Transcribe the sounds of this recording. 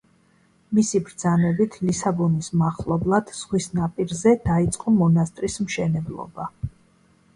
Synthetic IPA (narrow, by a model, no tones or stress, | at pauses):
misibɾd̪zanɛbit̪ʰlisabɔnismaχlˠɔblˠad̪̥z̥ʁwisnapʼiɾzɛd̪̥ait̪sʼqʼɔmɔnast̪ʼɾismʃɛnɛblˠɔ̰ba